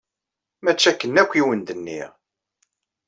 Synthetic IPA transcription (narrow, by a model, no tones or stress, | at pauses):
mæt͡ʃːækːənːækʷːiwənd̪ənːḭʁ